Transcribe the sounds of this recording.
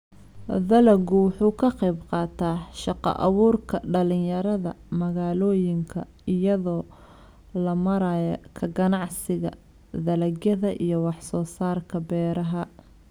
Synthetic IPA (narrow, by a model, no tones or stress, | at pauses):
ðɐlɐɡʊwʊħuːkʰɐqɛjbqɑːt̪ʰaːʃɑqɑ̰ʔɑ̰βuːrkʰɐɖɐlɪjɐɾɐðɐ̰mɐɣaːlɔːjɪŋkʰɐ | ɪjɐðɔː | lɐmɐɾajɐkʰɐɡɐnɑʕsɪɣɐ̰ | ðɐlɐɣjɐðɐʔijɞwɑħsɔːsaːrkʰɐbɛːɾɐɦɐ